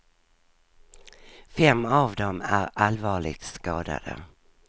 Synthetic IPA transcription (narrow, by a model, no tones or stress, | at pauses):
fɛmːavd̪ɔmæɾalvɑːɭɪ̰ɡt̪skɑːd̪a̰d̪ə̰